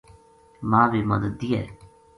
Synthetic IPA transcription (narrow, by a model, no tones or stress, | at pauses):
mãːʋiːməd̪ət̪̚ːiːɛ̰ː